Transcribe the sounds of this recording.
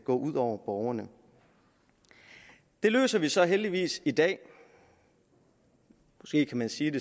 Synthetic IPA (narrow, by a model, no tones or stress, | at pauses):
ɡ̥ɔ̰̽ːʔuð̞̰ˠɒʊ̰ɐb̥ɒʊɐnə | d̥e̝lø̰ːsɐʋisɒ̽ɦeld̥iʋḭːsid̥ɛ̰ː | mɒ̽sɡ̥e̝̰ːkʰæmænsiːd̥e̝